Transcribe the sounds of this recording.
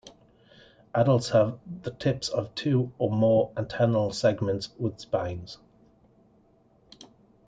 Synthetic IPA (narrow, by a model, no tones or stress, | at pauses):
ʔadəlˠtshəvðətʰɪpsəv̥tʰʉːəmɔːɹɪ̃ntʰɜːnəlˠsɛɡmə̃ntswɪð̥spãɪ̃nz̥